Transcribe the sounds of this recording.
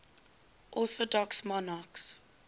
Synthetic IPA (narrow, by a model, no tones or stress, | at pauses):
ʔɔθɔdɔksmɔnaks